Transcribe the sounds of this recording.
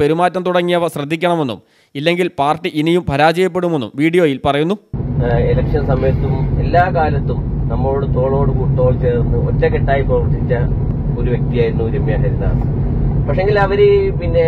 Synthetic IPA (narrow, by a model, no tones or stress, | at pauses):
peɾumaːtːɐmt̪uɽɐŋːijɐʋɐɕrɐd̪ʱːikʲːɐɳɐme̞nːṵm | ilːe̞ŋɡilpaːrʈːiʔinijumpʰɐɾaːd͡ʑɐjɐp̬ːe̞ɽume̞nːṵmʋiːɽijo̞ːjilpɐrɐjunːuelɐkʂɐnsɐmɐjɐt̪ːume̞lːaːkaːlɐt̪ːumnɐmːɐɭoɽet̪o̞ːɭo̞ːɽɨkuːt̪o̞ːɭt͡ɕe̞ːɾunːɨotːeke̞ʈːaːjiprɐʋɐrt̪ːit͡ɕːɐ | oɾuʋjek̚t̪ijaːjiɾunːuɾemjɐɦɐɾiða̰ːs | pɐkʂeeŋɡilɐʋɐɾepinːe̞